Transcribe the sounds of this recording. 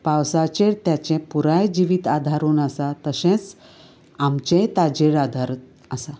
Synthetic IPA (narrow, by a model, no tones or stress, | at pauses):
pawsat͡ɕeɽt̪jat͡ɕɛ̃puɾajd͡ʑiʋiːt̪ad̪ʱaɾuːnəsat̪əɕɛ̃t͡s | amt͡ɕɛ̃t̪ad͡ʑeɽad̪ʱaɾət̪ | əsa